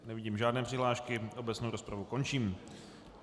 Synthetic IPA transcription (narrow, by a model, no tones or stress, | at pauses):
nɛvɪɟiːmʒaːdnɛːpr̝̥ɪɦlaːʃkɪʔo̞bɛt͡snowɾo̞spɾavuko̞nt͡ʃiːm